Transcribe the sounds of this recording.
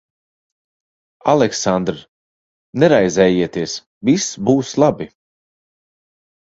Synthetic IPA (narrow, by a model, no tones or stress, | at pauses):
alˠɛksand̪ɾ | nɛɾajzɛːjiɛt̪iɛs | visbuːslˠabi